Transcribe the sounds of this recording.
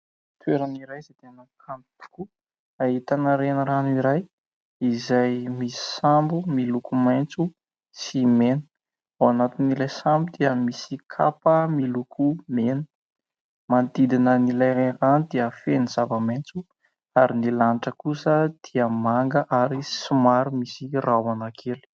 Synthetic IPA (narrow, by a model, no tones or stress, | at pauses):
t̪ʰweɾaniɾajzet̪enəkʰampt̪u̥ku | aɦit̪anəɾenəɾaniɾaj | izajmisi̥sambumilukumajnt͡su | simenə̥ | awanat̪inilajsambud̪iəmisikʰapəmilukʰumenə | mant̪id̪inənilajɾaranid̪iəfenizavəmajnt͡su | aɾinilanʈ͡ʂəkusəd̪̥iəmaŋɡəʔaɾisimaɾumisirawanakʰelu̥